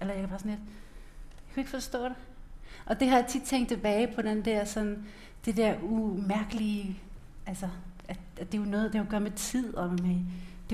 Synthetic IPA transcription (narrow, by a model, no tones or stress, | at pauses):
ʔelɐjakʰæb̥ɑsn̩led̥ | jakʰue̝ɡ̥fɒ̽sd̥ɔ̰̽ːd̥e | ʔɒ̽d̥e̝hɑ̈jät͡sʰid̥t͡sʰeŋ̰d̥t͡sʰeb̥ɛːɪpʰɒ̽d̥end̥ɛɐ̰sɒ̽n | d̥ed̥ɛɐ̰ʔumæɐɡ̥əli | ʔælsɐʔæ̥ | e̝jonɔ̽ːð̩ˠd̥ekoɡ̥ɶɐmet͡sʰið̞̰ˠɒ̽mmed̥e̝